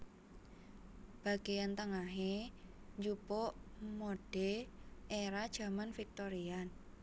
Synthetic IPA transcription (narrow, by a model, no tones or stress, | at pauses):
b̥a̤ɡ̥ejant̪əŋaɦeɲd͡ʒupoʔmoɖ̥eʔeɾad̥ʒ̥ä̤manfik̚t̪oɾian